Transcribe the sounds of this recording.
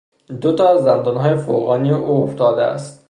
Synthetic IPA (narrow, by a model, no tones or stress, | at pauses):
d̪ot̪ʰɒːzænd̪ɒːnɦɒːjefo̰ɣɒːnijeʔuːoft̪ɒːd̪eæ̰st̪